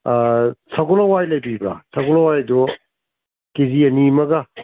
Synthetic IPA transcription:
sʰɐɡɔlɐwajlɐjbibɾa̰sʰɐɡɔlɐwajdu | kiziɐnimɐɡa

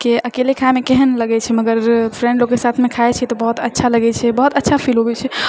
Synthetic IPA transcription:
keəkelikʰaemekeɦənləɡɛt͡ʃʰɛməɡəɾpʰɾẽɳɖlokːesat̪ʰmekʰaet͡ʃʰɛt̪ɔbəɦut̪ətːʃʰaləɡɛt͡ʃʰɛbəɦut̪ətːʃʰapʰilɦobɛt͡ʃʰɛ

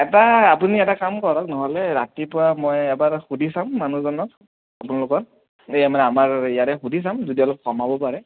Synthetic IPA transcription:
ɛtaːpuniɛtakamkɔɹɔknɔɦɔlɛɹatipʊɹamɔjɛbaɹxudʱisamːanuzɔnɔk̚ | apunalʊkɔt̚ | amanɛamaɹijatɛxudʱis̬amzudiɔlɔp̚kɔmabɔpaɹɛ

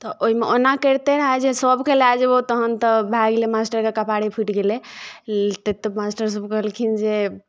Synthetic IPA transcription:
t̪ɔʔoɦimeʔonakəɾt̪eɾəɦad͡ʒesəbkelead͡ʒbot̪əɦənt̪ɔbʱaɡlemasʈəɾkekəpaɽipʰiʈɡele | t̪et̪əmasʈəɾs̬əbkəɦəlkʰind͡ʒe

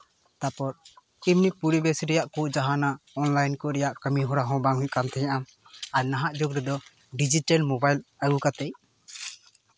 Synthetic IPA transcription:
t̪apɔɾ | imnipuɾibɛsɾɛjaʔkuʔd͡ʒaɦanaɔnlajnkɔɾɛjaʔkəmiɦɔɽaɦɔ̃baŋɦũɲkant̪ʰɛɲaʔam | aɾnaɦaʔd͡ʒoɡɾɛd̪ɔ | ɖid͡ʒiʈalmɔbajləɡukat̪ɛj

